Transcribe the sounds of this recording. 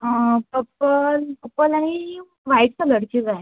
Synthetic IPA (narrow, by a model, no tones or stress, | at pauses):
əpəpəlpəpəlaɽ̃i | ʋaiʈt͡sələɽkid͡zaɦ